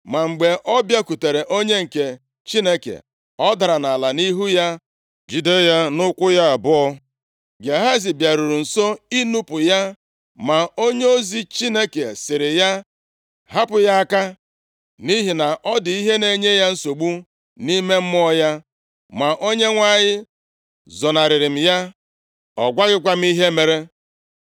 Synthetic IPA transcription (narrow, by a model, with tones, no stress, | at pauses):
ma˨ŋ͡m̩˨ɡ͡be˨ʔɔ˦bja˦ku˨te˨ɾe˨ʔo˦ɲe˦ŋ̩˨ke˨ | t͡ʃi˦ne˦kḛ˨ | ɔ˦da˨ɾa˨na˨la˨ni˦ɦu˦ja˦ | d͡ʒi˨de˦ja˦nʊ˦kʷʊ˦ja˦a˨bʊ˦ɔ˦ | ɡe˨ɦa˦zi˨bja˨ɾu˨ɾu˨n̩˨so˦i˦nu˦pʊ˨ja˦ | ma˨o˦ɲe˦o˦zi˨t͡ʃi˦ne˦ke˨sɪ˨ɾɪ˨ja˦ | ɦa˦pʊ˨ja˦a˦ka˦ | ni˦ɦi˨na˨ʔɔ˦dɪ˨i˦ɦe˦ne˨ɲe˦ja˦n̩˦so˨ɡ͡bu˦ | ni˦me˦m̩˦m˦ɔ˦ja˦ | ma˨ʔo˦ɲe˦ŋʷa˦˨ɲɪ˦ | zɔ˨na˨ɾɪ˨ɾɪ˨m̩˨ja˦ | ɔ˨ɡʷa˦ɣɪ˦kʷa˦m̩˦i˦ɦe˦me˨ɾe˦